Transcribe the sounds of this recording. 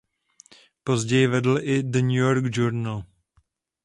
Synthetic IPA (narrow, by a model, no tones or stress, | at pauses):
pozɟɛjɪvɛdl̩ʔɪdəɲujoɾɡd͡ʒuɾnal